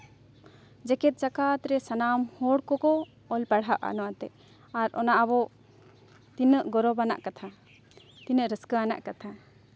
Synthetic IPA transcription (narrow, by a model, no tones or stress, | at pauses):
d͡ʒɛkɛt̪̚t͡ʃakat̪ɾɛsanamhɔɽkɔkɔ | ɔlpaɽɦaʔa̰nɔwat̪ɛʔ | aɾʔɔ̰naʔabɔʔ | t̪inəʔɡɔɾɔbana̰ʔkat̪ʰa | t̪inəʔɾəskəana̰ʔkat̪ʰa